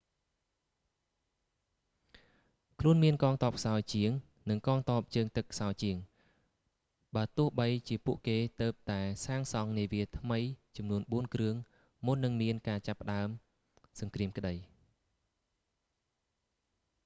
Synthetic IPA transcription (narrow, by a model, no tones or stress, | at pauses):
kʰluənmiənkɑːŋt̪ɔ̆əp̚kʰsaɔjt͡ɕiəŋ | nɨŋkɑːŋt̪oəp̚t͡ɕəːŋt̪ɨkʰːsaɔjt͡ɕiəŋ | ɓaət̪ʊ̆əhɓəjt͡ɕiəpuəʔkeːt̪əːp̚t̪aɛsaːŋsɑŋniəʋiət̪ʰməjt͡ɕɑmnuənɓuənkrɨəŋ | mʊnːɨŋmiənkaːt͡ɕapːə̆ɗaəm | sɑŋkriəmkə̆ɗəj